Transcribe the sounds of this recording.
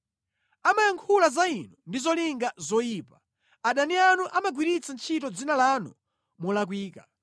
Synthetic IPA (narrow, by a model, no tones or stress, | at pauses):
amajaŋkʰulazainɔndizɔliŋɡazɔjiːpa | aɗanianuʔamaɡwiɾit͡sant͡ʃʰitɔd͡zinalanṵ | mɔlak̬wiːka